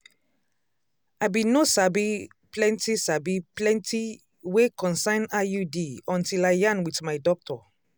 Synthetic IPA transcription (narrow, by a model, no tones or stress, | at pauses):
aɪbĩnosabi | plɛ̃ntisabiplɛ̃nti | wekʰɔ̃nsãɪ̃najudiɔ̃ntilaɪjãnwitmaɪdɔk̚tʰɔ